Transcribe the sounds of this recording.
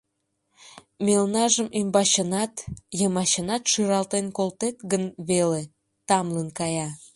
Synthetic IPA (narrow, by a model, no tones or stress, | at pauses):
melnɑʒəmymbɑɕənɑt̪jəmɑɕənɑt̪ʃɯɾɑlt̪enkolt̪et̪ɡənβele | t̪ɑmlənkɑjɑ